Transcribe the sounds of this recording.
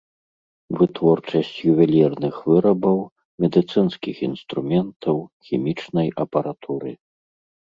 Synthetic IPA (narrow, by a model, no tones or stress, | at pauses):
vɨt̪vɔrt͡ʂɐsʲt͡sʲjuvʲɛlʲirnɨxvɨɾɐbɐw | mʲɛd̪ɨt̪sɨnskʲixḭnst̪ɾumʲɛnt̪ʰɐwxʲimʲit͡ʂnɐjʔɐpɐɾat̪ʰuɾɨ̰